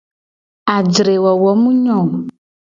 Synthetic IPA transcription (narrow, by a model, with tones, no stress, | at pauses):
a˨d͡ʒɾe˨wɔ˨wɔ˨˦mũ˦ɲɔ̃˨